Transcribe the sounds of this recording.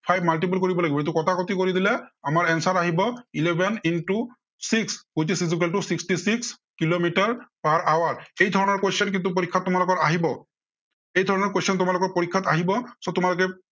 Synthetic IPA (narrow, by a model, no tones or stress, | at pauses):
pʰajbmalʈip̬ulkoɹibɔlaɡibɔet̬ukɔtʰakotikoɹid̪ilɛamaɹɛnsaɹaɦibɔilebʱɛnintu | sikspujt̬isizikɛltusikstisiks | kilomitaɹpaɹawaɹejdʱɔɹɔnɔɹkwosɔnk̬intup̬oɹikʰːatːʊmalʊkɔɹaɦibɔ | ejdʱɔɹɔnɔɹkosɔntʊmalʊkɔɹpoɹikʰːataɦibɔsɔtʊmalʊkɛ